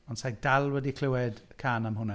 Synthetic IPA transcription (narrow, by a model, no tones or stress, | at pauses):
ɔnsajɡ̚d̥alˠwɛdikʰl̥ɪwɛd̥kʰaːnamɦʊnɛ